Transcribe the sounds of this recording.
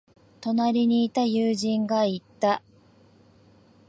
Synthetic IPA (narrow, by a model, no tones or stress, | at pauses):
t̪o̞naɾʲiɲ̟iːt̪ajɯːʑĩŋɡait̪ːa